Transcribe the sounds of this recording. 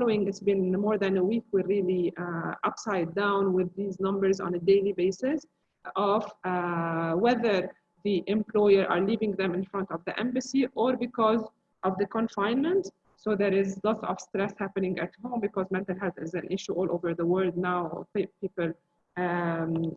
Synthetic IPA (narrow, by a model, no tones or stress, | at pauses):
fɑloɪ̃ŋɡɪsbɪ̃nmɔɹðæ̃nəwiːkwɪɹiliʔʌpsaɪdãʊ̃nwɪðːiːznʌ̃mbəɹzɔ̰̃nədeɪlibeɪsɪs | ʔɔv | wɛðəɹ | ðiʔɪ̃mplɔɪjəɹʔa̰ɹliːvɪ̃ŋðɛ̃mɪ̃nfɾʌ̃ntɔvðiʔɛ̃mbɨsiʔɔɹbɪkɔz | ʔɔvðəkɔ̃nfãɪ̃nmə̃nt | soðɛɹɪzlɔtsɔvstɾɛshæpənɪ̃ŋɡæ̰thõʊ̃mbɪkɔzmɛ̃ntəlɦɛlθɪzæ̃nʔɪʃuʔɔlˠʔoʊvə˞ðəwɜɹld̪naʊ̰piːpɨl